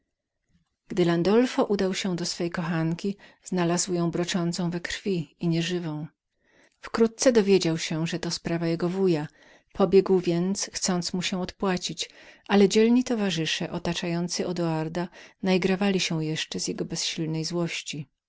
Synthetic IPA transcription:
ɡd̪ɘland̪ɔlfɔʔud̪awɕɛ̃d̪ɔsfɛjkɔxaŋkʲiznalazwjɔ̃w̃bɾɔt͡ʂɔnt̪sɔ̃w̃vɛkɾfʲiiɲɛʐɘvɔ̃w̃ | fkɾut̪̚t̪sɛd̪ɔvʲjed͡ʑawɕɛʐɛt̪ɔspɾavajɛɡɔvuja | pʰɔbʲjɛɡwvʲjɛnt̪sxt̪sɔnt̪smuɕɛ̃ɔt̪pwat͡ɕit͡ɕ | ʔalɛd͡ʑɛlɲit̪ɔvaʐɘʂɛʔɔt̪at͡ʂajɔnt̪sɨʔɔd̪ɔaɾd̪anajɡɾavalʲiɕɛwjɛʂt͡ʂɛzʲjɛɡɔbɛsɕilnɛjzwɔɕt͡ɕi

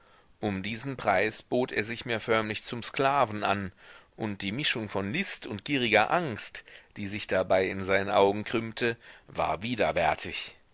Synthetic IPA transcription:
ʔʊmdiːzn̩pʁ̥aɪsb̥oːtʰeːɐzɪçmeːɐfœɐmlɪçt͡sʊmsklaːvn̩ʔa̰nʔʊnt̚d̥iːmɪʃʊŋfɔnlɪstʊnt̚ɡ̥iːʁɪɡɐʔaŋstd̥iːzɪçd̥abaɪɪnzaɪnənʔaʊɡŋ̩kʁ̥ʏmtʰəva̰ːɐviːdɐvɛɐtʰɪç

